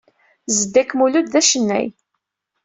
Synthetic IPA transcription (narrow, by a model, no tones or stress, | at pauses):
zəd̪ːækːmulud̪ðæʃənːæ̰j